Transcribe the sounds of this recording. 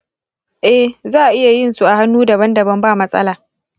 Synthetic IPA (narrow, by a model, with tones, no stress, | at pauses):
ʔɛ˦hzaː˦˨ʔɪ˦ja˨jɪ˦˨nsu˦ʔa˨ha˦nːuː˦dɐ˨bɐ˦ndɐ˨bɐ˦mbaː˦˨mɐ˦sʼɐ̰˦laː˨